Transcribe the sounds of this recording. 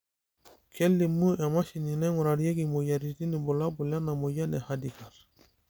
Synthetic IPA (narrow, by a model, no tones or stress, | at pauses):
kʰelːimːuʔɛmaʃininɛŋuɾaɾjeɡimojaɾidinibulabulanamojanɛhadikaɾ